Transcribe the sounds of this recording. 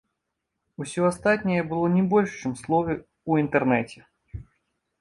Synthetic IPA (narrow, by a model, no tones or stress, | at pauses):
usʲɔast̪at̪ʲnʲijɛbɨlˠɔnʲɛbɔlʲʂt͡ʂɛmslˠɔvʲɛ | uint̪ɛrnɛt͡sʲɛ̥